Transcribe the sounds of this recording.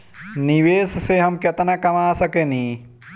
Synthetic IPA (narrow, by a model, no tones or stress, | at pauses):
nɪʋeːsseɦɐmkɐt̪nakɐmaːsɐkenĩ